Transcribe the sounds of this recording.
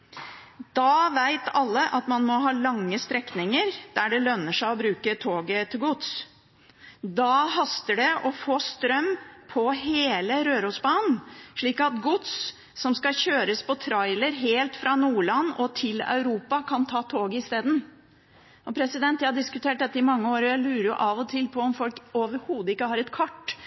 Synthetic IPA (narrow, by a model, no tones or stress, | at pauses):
d̪̥ɑʋæɪt̪ʰɑlːəʔɑt̪mɑnmɔɦɑːlɑŋːəst̪ɾɛknɪŋəɾd̪̥æɖɛlœnːəʂæɪɔbɾʉːkət̪ʰoːɡət̪ʰɪlɡʊt̪s | d̪ɑɦɑst̪əɖɛʔɔfoːst̪ɾœmpʰɔɦeːləɾøːɾusbɑːnʂɭiːkɑt̪ɡʊt̪s | sɔmskɑçøːɾəspʰɔt̪ʰɾɑɪləɾɦeːlt̪fɾɑnuːɭɑnːɔt̪ʰɪlɑ̰ʉɾuːpɑkʰɑnt̪ʰɑːt̪ʰoːɡəɪst̪eːd̪n̩ | ʔɔpʰɾɛsɪd̪ɛnt̪jæhɑɖɪskʉt̪ʰeːʈ̚d̪ɛt̪ːəɪmɑŋːəoːɾjæɪlʉːɾəɾjʊ̰ʔɑʋɔt̪ʰɪlpʰɔɔmfɔlkoʋəɾhuːd̪əɪkːəhɑːɾɛt̪kʰɑʈː